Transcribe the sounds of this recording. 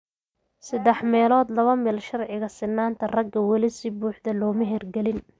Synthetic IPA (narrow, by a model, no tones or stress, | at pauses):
sɐd̪ɛħmɛːlɔːd̪lɐβɐmɛlʃɐrʕɪɣɐsɪnːaːnt̪ʰɐrɐɡɐwɑlɪsɪbuːħd̪ɐlɔːmɪɦɛrɡɛlɪn